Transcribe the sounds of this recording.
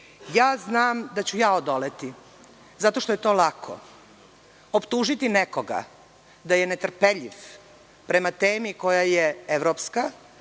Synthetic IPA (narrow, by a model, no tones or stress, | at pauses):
jaːznaːmd̪at͡ɕujaːod̪olet̪i | zat̪o̞ʃt̪ojet̪o̞ːlakʰo̰ | opt̪uːʒit̪inekoɡa̰ | d̪ajene̞t̪r̩peʎiʋ | pɾe̞mat̪eːmiko̞jajeeʋɾoːpska